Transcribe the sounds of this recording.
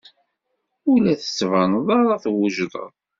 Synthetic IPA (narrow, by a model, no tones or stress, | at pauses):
ʊlæθə̥sːvɑnəðˤɑɾˤɑθwuʒðˤə̰ðˤ